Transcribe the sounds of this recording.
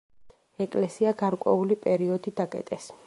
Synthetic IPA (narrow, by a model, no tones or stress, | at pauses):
ɛkʼlɛsiaɡaɾkʼwɛ̰ulipʼɛɾiɔd̪id̪akʼɛ̰t̪ʼɛs